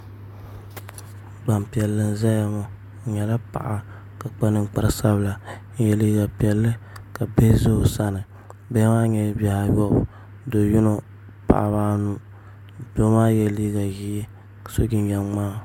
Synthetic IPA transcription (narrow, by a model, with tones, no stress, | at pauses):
ɡ͡ba˨m˨pi˨ɛ˨lːɨ˨n̩˦zɛ˦a˨mo˦˨ | ɲɛ˨la˦pa̰˨ʔa˨ | ka˨k͡pa˦nɨ˨ŋ͡mk͡pa˨ɾɨ˨sa˦bɨ˨la˨ɲ˦jɛ˨liː˦ɡa˨pi˨ɛ˨lːɨ˦ka˨be˦zo˦o˨sa˦nɨ˨ | bɛ˦maː˦ɲɛ˨˦ba˨ha˨jɔ˦˨b | do˨ju˦no˨ | pa̰˨ʔa̰˨βaː˦nu˦ | do˦maː˦jɛ˦liː˦ɡa˨ji˦˨ | so˦ɡi˦njɛ˦maː˦